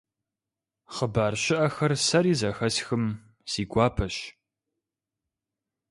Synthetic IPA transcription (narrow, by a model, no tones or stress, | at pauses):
χəbaːrɕɪʔɐxɐrsɐɾiːzɐxɐsxɨm | siːɡʷɑːpʰɐɕ